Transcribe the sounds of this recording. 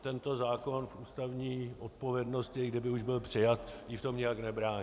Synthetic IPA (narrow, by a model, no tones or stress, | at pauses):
t̪ɛnt̪ozaːko̞nfʔuːst̪avɲiːʔo̞t̪̚po̞vjɛdno̞scɪɡdɪbɪuʒbɪlpr̥ɪjat̪jɪft̪o̞mɲɪjaknɛbɾaːɲ